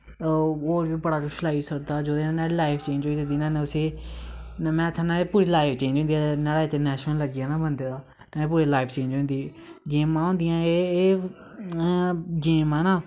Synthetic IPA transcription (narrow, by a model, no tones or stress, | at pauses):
oːɾʋibəɽaːɡʊʃlaːisəkd̪aːd͡ʒoːd̪enãnaːɽeːlaːɪpʰt͡ʃẽːnd͡ʒoːieːd̪iːnãːnːʊseː | mɛ̃ːt̪ʰãːnaːɾeːpuːɾiːlaːɪpʰt͡ʃẽːnd͡ʒõːnd̪ijaːnaːɽaːɪt̪eːnɛːʃnəlləɡːaːnaːbənd̪eːd̪aː | naːeːpuːɾeːlaːɪpʰt͡ʃẽːnd͡ʒõːnd̪iː | ɡeːmãːɦõːnd̪ɪjãːeː | ɡeːmãːnaː